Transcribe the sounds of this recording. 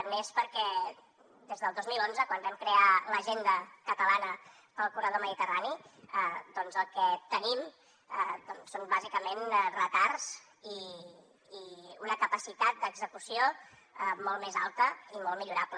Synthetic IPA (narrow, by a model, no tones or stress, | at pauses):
t̪mespəɾkɛ | d̪ezðəlˠd̪ozmilˠonzəkwanbɛmkɾealəʒend̪əkət̪əlanə | pəlˠkuɾəðoməðit̪əraniəd̪ɔnzəlˠkɛt̪ənim | əd̪ɔnsonbazikəmenrət̪arz̥ | iː | unəkəpəsit̪at̪̚d̪əɡzəkusio | əmɔlˠmeza̰lˠt̪əimɔlˠmiʎuɾaplə